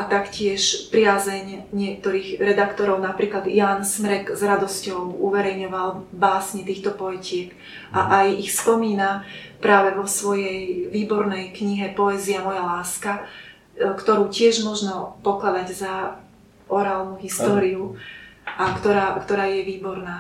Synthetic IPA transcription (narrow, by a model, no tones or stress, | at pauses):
ʔat̪akcɪɛʃpɾɪaːzɛɲɲɪɛk̚t̪ɔɾiːɣɾɛd̪akt̪ɔɾɔʊnapɾiːklad̪jaːnsmɾɛɡzɾad̪ɔscɔʊuʋɛɾɛjɲɔʋalbaːsɲit̪iːxt̪ɔpɔɛcɪɛk | ʔaʔajixspɔmiːnapɾaːʋɛʋɔsʋɔjɛjʋiːbɔɾnɛjkɲiɦɛpɔɛziamɔjalaːska | kt̪ɔɾuːcɪɛʒmɔʒnɔpɔklad̪aɟza | ʔɔɾaːlnuɦist̪ɔːɾiuʔakt̪ɔɾaːkt̪ɔɾaːjɛʋiːbɔɾnaː